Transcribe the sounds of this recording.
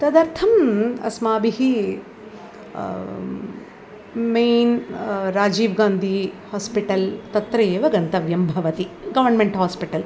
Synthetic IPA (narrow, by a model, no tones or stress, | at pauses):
t̪ɐd̪ɐɾt̪ʰɐmɐ̰smaːbiɦi | meːnɾaːd͡ʒiːʋɡaːnd̪ʱihaːspiʈɐlt̪ɐt̪ɾɐjeːʋɐɡɐnt̪ɐʋjɐmbʱɐʋɐt̪iɡɐʋɐɾnmeɳʈɦaːspiʈɐl